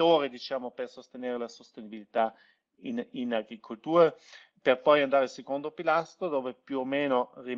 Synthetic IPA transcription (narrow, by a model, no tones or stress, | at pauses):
oːɾed̪it͡ʃaːmopersost̪eneːɾelasost̪enibilit̪a | ininaɡɾikʰolt̪uːɾa | perpɔjand̪aːɾesekond̪opilast̪ɾod̪oːvepjuomeːnori